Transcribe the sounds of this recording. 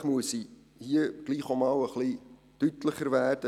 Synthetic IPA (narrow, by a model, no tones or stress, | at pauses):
χmuəsi | hiəɡ̥liːχomɑwəχli | tytləχəɾvæːd̥ə